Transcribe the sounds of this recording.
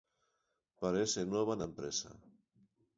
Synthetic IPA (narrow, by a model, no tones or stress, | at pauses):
paɾesenwɔβanampɾesa̰